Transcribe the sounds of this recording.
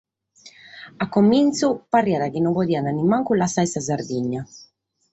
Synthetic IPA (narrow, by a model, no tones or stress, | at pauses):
akːomːint̪suparːiaɾakinɔŋkod̪iːananimaŋkulasajsaz̬aɾd̪iɲːa